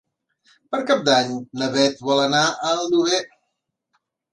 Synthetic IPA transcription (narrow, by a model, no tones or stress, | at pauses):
pəɾkap̚d̪aɲnəβɛt̪̚bɔlˠənaʔəlˠd̪uɣɛ